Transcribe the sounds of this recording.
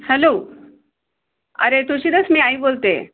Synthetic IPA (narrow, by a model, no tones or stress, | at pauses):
hɛlo | ə̰ɾet̪uɕiːd̪əsmiːaiːbolt̪ḛ